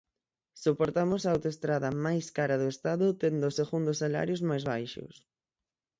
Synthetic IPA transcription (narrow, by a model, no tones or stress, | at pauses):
sopoɾt̪amʊsaawt̪oest̪ɾaðɐmajskaɾɐðʊest̪aðʊt̪end̪ʊːseɣund̪ʊsala̰ɾjozmajzβajʃʊ̰s